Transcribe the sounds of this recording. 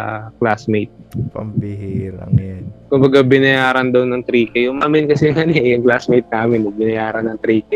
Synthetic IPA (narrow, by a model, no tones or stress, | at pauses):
klasmejt̪̚pɐ̰mbɪhiːɾɐ̰ŋjankʊmbɐɡabɪnɐjaːɾɐnd̪ɐwnɐŋt̪ɾiːkɐjʊŋmamɪnkɐsɛŋɐnɪʔjɐŋklasmejt̪̚naːmɪnwɐɡ̚bɪnɐjaːɾɐnːɐŋt̪ɾiːkɛ